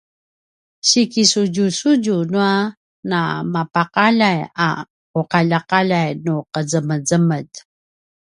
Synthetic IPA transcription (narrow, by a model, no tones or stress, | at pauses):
ɕikisuɟusuɟunua | na̰mapaqaʎaja̰ | quqaʎaqaʎajnuqəzəməd͡zəməd